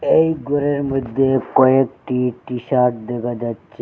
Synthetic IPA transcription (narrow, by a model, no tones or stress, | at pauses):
ejɡoɾeɾmod̪ʱːekɔekʈiʈiʃaɾʈ̚d̪ekad͡ʒatːt͡ʃʰe